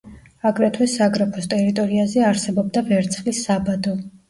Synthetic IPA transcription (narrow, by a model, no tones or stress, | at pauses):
aɡɾɛt̪ʰwɛsːaɡɾapʰɔst̪ʼɛɾit̪ʼɔɾiazɛaɾsɛbɔb̚d̪avɛɾt̪sʰχlisːabad̪ɔ